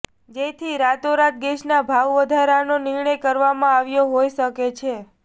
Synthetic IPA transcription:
d͡ʒet̪ʰiɾat̪oɾat̪̚ɡeʃnabʱaʋʋəd̪ʱaɾanonɪɾɳəjkəɾʋamãaʋjoɦojʃəket͡ʃʰe

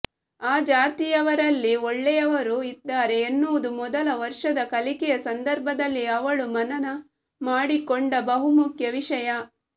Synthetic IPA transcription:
aːd͡ʒaːt̪ijɐʋɐɾɐlːiɔɭːɛjɐʋɐɾuid̪ːaːɾe̞ːnːuːd̪umɔd̪ɐlɐʋɐɾʂɐd̪ɐkɐlikɛjɐsɐnd̪ɐɾbʱɐd̪ɐlːiɐʋɐɭumɐnɐnɐ | maːɽikoɳɖɐbɐɦumukʰjɐʋiʂɐjɐ

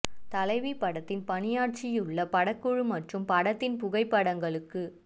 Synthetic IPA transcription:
t̪ɐlɐɪʋipːɐɽɐt̪ːɪnpɐnɪjaːʈ̚t͡ʃɪjɯɭːɐpɐɽɐkːɯɻɯmɐʈrɯmpɐɽɐt̪ːɪnpʊɣɐɪpːɐɽɐŋɡɐɭɯkːɯ

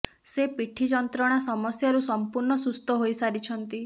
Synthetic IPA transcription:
sepiʈʰid͡ʒɔnt̪ɾɔɽ̃asɔmɔsjaɾusɔmpuɾɳɔsust̪ɔɦojsaɾit͡ʃʰɔnt̪i

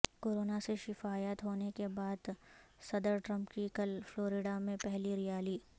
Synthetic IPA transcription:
koːɾoːnaseʃɪfaːjət̪ɦoːnekebaːd̪sɐd̪əɾʈɾɐ̃mpkikəlfloːɾɪɖamẽpɛɦliɾɪjaːliː

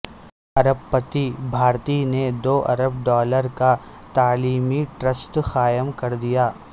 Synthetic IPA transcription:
ɐɾəbpət̪ibʱaːɾt̪ined̪oːʔɐ̰ɾəb̚ɖɔːləɾka | t̪aːliːmiʈɾəsʈxaːjəmkɐɾd̪ijaː

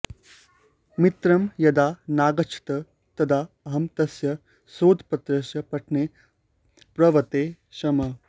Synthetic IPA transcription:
mit̪ɾɐmjɐd̪aːnaːɡɐt͡ʃʰi̥t̪ɐ | t̪ɐd̪ʱaː | ɐɦɐmt̪ɐsjɐ | soːd̪ʱpɐt̪ɾɐʃjɐpɐʈʰneː | pɾɐʋɐt̪eː | ʃɐmɐ

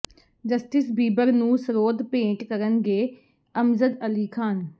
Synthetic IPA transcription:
d͡ʒəsʈɪsbiːbəɾnũːsəɾoːd̪pẽːʈkəɾənɡeː | əmzəd̪əliːkʰaːn

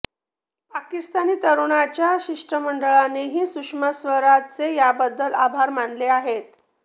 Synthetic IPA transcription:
pakist̪aniːt̪əɾuɽat͡ɕjaɕiʂʈɾəməɳɖəɭaneɦiːsukʂməsʋəɾat͡sejabəd̪ːəla̰bʱaɾmanleaɦet̪̚

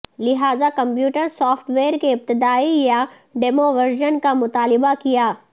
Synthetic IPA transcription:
lɪɦaːzakɐ̃mpjuːʈəɾsɔːfʈʋeːɾkeɪb̚t̪ɪd̪aːija | ɖeːmoʋɐɾʒənkamʊt̪aːlɪbakijaː

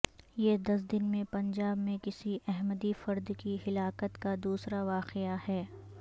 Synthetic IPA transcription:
jeːd̪ɐs̬d̪ɪnmẽpɐ̃ɲd͡ʒaːbmẽkɪsiʔɛɦməd̪ifɐɾd̪kihɪlaːkət̪kad̪uːsɾaʋaːqɪahɛː

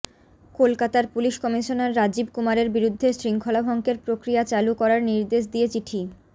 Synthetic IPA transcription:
kolkat̪aɾpuliʃkɔmiʃonaɾːad͡ʑibkumaɾeɾbiɾud̪ʱːesɾiŋkʰolabʱɔŋkeɾpɾokɾijat͡ɕalukɔɾaɾniɾd̪eʃ̬d̪iet͡ɕiʈʰi

